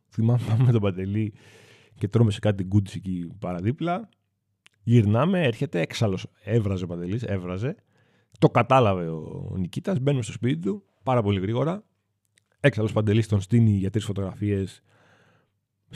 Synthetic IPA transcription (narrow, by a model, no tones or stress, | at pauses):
θimɐmpɐumːet̪obɐd̪e̞li | ce̞t̪ɾomesekɐt̪it̪iɡud̪isecipɐɾɐðiplɐ | ʝiɾnɐme̞eɾçe̞t̪e̞eksɐlo̞sevɾɐzeopɐnd̪e̞lise̞vɾɐze̞ | t̪o̞kɐt̪ɐlɐve̞o̰nicit̪ɐzbe̞numest̪o̞spit̪it̪u | pɐɾɐpo̞liɣɾiɣo̞ɾɐ | e̞ksɐlo̞spɐnd̪e̞list̪o̞nst̪iniʝɐt̪ɾisfo̞t̪o̞ɣɾɐfie̞s